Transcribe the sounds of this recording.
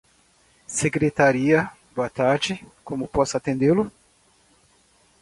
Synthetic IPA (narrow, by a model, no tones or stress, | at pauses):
seɡɾet̪aɾiɐ | boɐt̪aɾd͡ʒɪkõmʊpɔsɐat̪ẽnd̪elʊ